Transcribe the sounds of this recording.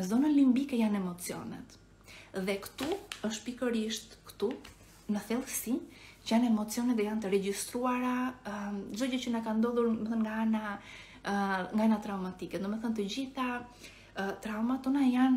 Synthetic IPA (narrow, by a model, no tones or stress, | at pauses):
ɛzɔnənlimbikɛjanɛmɔt͡siɔ̰nɛ̰t̪ | ðɛkt̪uəʃt̪pikəɾiʃt̪kt̪u | nəθɛlˠsit͡ʃəjanɛmɔt͡sijɔnɛt̪ɛjant̪əɾɛd͡ʑist̪ɾuaɾa | zɔɟət͡ɕənakand̪ɔðuɾmɛθənŋɡaana | ŋɡaanat̪ɾawmat̪ikɛd̪umɛθənt̪əd͡ʑiθa | t̪ɾawmat̪ɔnajan